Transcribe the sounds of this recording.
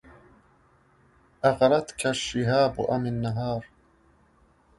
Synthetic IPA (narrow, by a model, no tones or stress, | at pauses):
ʔaɣɾˤɑd̪kʰaʃɪɦaːb̰ʔamɪnːaɦɑːɾˤ